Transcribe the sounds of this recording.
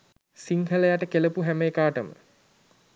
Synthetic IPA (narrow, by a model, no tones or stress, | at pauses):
siŋhələjaʈəkeləpuɦæmekaːʈəmə̰